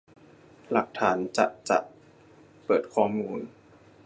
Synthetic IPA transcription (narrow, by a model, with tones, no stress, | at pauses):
la˨˩k̚t̪ʰaː˩˦nt͡ɕa̰˨˩ʔt͡ɕa̰˨˩ʔ | pɤː˨˩t̪̚kʰɔː˧˩muː˧n